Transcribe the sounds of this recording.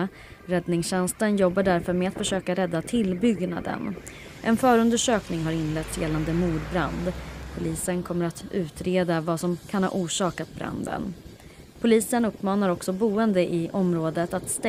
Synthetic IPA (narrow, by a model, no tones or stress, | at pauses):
ɾɛd̪nɪŋsɕɛnst̪ənjɔbːaɖæɾfœɾmɛat̪fœʂøːkaɾɛd̪ːat̪ʰɪlbʏɡna̰d̪ə̰n | ʔɛnfœːɾɵnd̪əʂøːknɪŋɦaɾɪnlɛt̪sjɛlːand̪əmuːɖbɾand̪pʰʊliːsənkʰɔmːəɾat̪ʉ̟ːt̪ɾeːd̪avasɔmkʰanhɑ̰ːʔuːʂɑːkat̪̚bɾa̰nd̪ə̰n | pʰʊliːsənɵpːmɑːnaɾɔksɔbuːənd̪əʔɪʔɔmɾoːd̪ət̪at̪st̪ɛ